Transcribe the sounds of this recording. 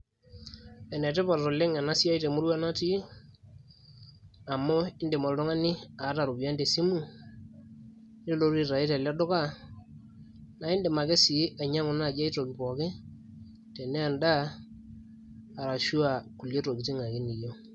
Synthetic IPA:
ɛ˨ne˨tɛ˦pa˨ɾtɔ˨le˦ŋa˨na˦si˦a˦i˦te˨mu˦ɾwa˦na˦ti˦ | a˨mo˦ɪ˦nde˨mɔ˨ltɔ˦ŋa˦nɪ˦a˨˦ta˨ɾu˨bi˨a˦nde˨si˦mu˨ | ni˦lo˦ɾi˦ɾa˨i˦te˨la˦dɔ˦ka˦ | na˨ɪ˦nde˨ma˨ke˦si˨˦ʔa˨ɲa˦ŋʊ˨˦na˦˨d͡ʒa˦i˦to˨ki˨pɔ˨kɪ˦ | te˨ne˦a˨nda˦˨ | ɾa˨ʃu˦a˨ku˨lje˦to˨ki˨ti˦ŋa˨ki˦ni˨jo˦

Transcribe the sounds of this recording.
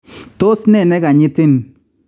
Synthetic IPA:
to˦snɛ˦˨nɛ˦ka˨ɲɪ˦tɪ˦n

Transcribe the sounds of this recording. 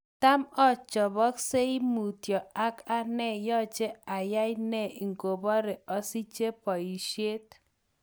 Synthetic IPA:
ta˦mɔ˦˨t͡ʃɔ˨bɔ˦kse˦i˦mu˨tjɔ˨a˦ka˦nɛ˦˨jɔ˦t͡ʃe˦a˨ja˦jnɛ˦˨ʔi˨ŋɡo˨bɔ˦ɾe˨ɔ˨˦si˦t͡ʃe˦pɔ˨i˨ʃje˦t

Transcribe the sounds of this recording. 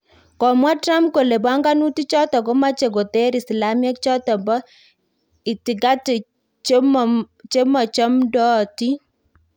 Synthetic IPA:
kɔ˨mwa˦tɾa˦mp̚ko˨le˨ba˦ŋɡa˦nu˦ti˦t͡ʃɔ˦tɔ˨ko˦ma˦t͡ʃe˨ɡo˨te˦ɾi˨sla˦mjɛ˦kt͡ʃɔ˦tɔ˨mbɔ˦ | i˨ti˨ɡa˦ti˨ | t͡ʃm | t͡ʃe˦mɔ˨t͡ʃɔ˦mdɔ˦˨ti˦

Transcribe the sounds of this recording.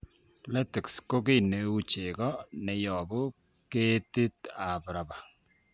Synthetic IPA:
lɛ˦tɪ˨ksko˦ke˦˨ne˨u˦t͡ʃe˨kɔ˦nɛ˨jɔ˨bʊ˦ | ke˦ti˦ta˨bɾa˨ba˨

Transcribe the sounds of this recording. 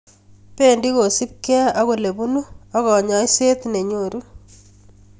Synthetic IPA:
pe˦ndi˦ko˨si˦p̚kɛ˦a˦ɣo˨le˨bu˦nu˦a˦ɣɔ˨ɲɔ˦jse˦t̪ne˨ɲo˨ɾu˦

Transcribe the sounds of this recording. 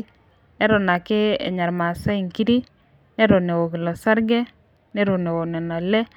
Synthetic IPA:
nɛ˦ɾɔ˨na˨kɪ˦ḛ˨ɲa˨ɾma˨sa˦i˨ŋki˦ɾi˦ | nɛ˦ɾo˨ne˨wo˨ki˨lɔ˨sa˦ɾɡɛ˦ | nɛ˦ɾo˨ne˨wo˨nɛ˨na˨lɛ˦

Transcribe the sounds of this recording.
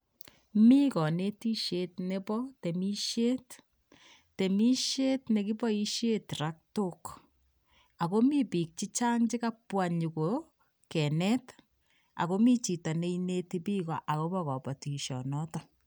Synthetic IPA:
mi˦kɔ˨ne˦ti˦ʃe˦tne˦pɔ˦te˨mi˦ʃe˦t | te˨mi˦ʃje˦tne˨ki˦pɔ˦i˦ʃje˦tɾa˦k̚to˦k | a˨ko˦mi˦pi˨k̚t͡ʃi˦t͡ʃa˦ŋd͡ʒi˦ka˦pwa˨ɲu˨ko˨ | kɛ˨nɛ˦t | a̰˨ko˦mi˦t͡ʃi˨ta˨ne˦ine˦ti˦pi˦kɔ˨ʔa˨ko˦bɔ˦kɔ˨pɔ˨ti˨ʃɔ̰˨nɔ˦tɔ

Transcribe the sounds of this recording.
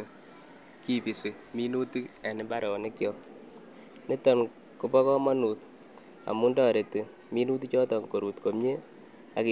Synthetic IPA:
ki˦pi˨si˨ | mi˦nu˦ti˦a˨nɪ˨ba˦ɾɔ˨nɪ˦kjɔ˨ | nɪ˦tɔ˨n | ku˨pɔ˦kɔ˦mɔ˦nu˨t̚ | a̰˨mu˦ndɔ˨ɾe˨ti˨ | mi˦nu˦t̬i˦t͡ʃɔ˦tɔ˨ŋko˨ɾu˨tko˨mɲe˦ | a̰˨k

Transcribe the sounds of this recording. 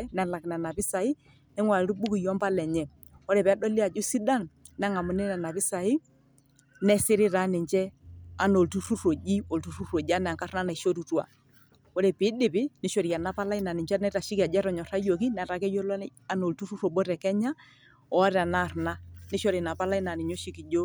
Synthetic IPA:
ɛ˦nɛ˨la˨kna˨na˨pɪ˦sa˨i˦ | nɛ˦ŋwa˨lɾu˦ɓu˦ki˨jɔ˦mba˦lɛ˨ɲɛ˨ | ɔ˦ɾɛ˨pɛ˨a˦ɗɔ˦lɪ˦a˨d͡ʒu˦si˦da˦˨n | nɛ˦ŋa˨mʊ˨nɛ˦nɛ˨na˨pɪ˦sa˨i˦ | nɛ˦sɪ˦ɾɪ˦ɾa˨˦nɪ˨ɲd͡ʒɛ˦a˨no˨ltu˦ɾu˦ɾo˨d͡ʒi˦o˨ltu˨˦ɾu˦ɾo˨d͡ʒa˦nɛ˨a˨ŋka˦ɾna˦na˨i˨ʃo˦tu˨twa̰˨ | ɔ˦ɾɛ˨pɪ˨˦dɪ˨pɪ˦nɪ˦ʃɔ˨ɾi˨a˨na˨˦pa˦la˦i˦na˨nɪ˨ɲd͡ʒa˦nɛ˦ta˨ʃɪ˦ki˨a˨d͡ʒɛ˦ɾɔ˨ɲɔ˨ɾa˦jo˨ki˦na˨ɾa˨˦kɛ˦jo˦lɔ˦ | a˨no˨ltu˦ɾu˦ɾo˨ɓo˦ɾɛ˨kɛ˦ɲa˦ | ɔ˨a˦ɾɛ˨a˨na˦˨ɾna˦nɪ˦ʃɔ˦ɾi˨na˨pa˦la˦i˦na˨nɪ˨ɲo˦ʃi˦ki˨d͡ʒo˦

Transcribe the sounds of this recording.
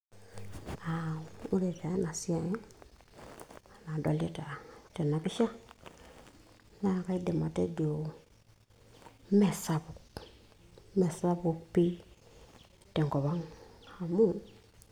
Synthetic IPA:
a˨u˦le˨ta˨˦na˨si˦a˦˨je˦ | a˨na˨do˨le˦ta˨te˨na˨ki˦ʃa˦ | na˨ka˦i˦de˨ma˨tḛ˦ɡo˨ | me˨sa˦βu˨ | me˨sa˦βu˨pi˦ | te˨ŋko˨βa˦ŋha˨mu˦

